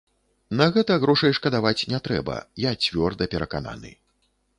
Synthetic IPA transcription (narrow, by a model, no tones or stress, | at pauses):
nɐɣɛt̪ɐɣɾɔʂɐjʂkɐd̪avat͡sʲnʲɛt̪ɾɛ̰bɐ̰jat͡sʲvʲɔrd̪ɐpʲɛɾɐkana̰nɨ̰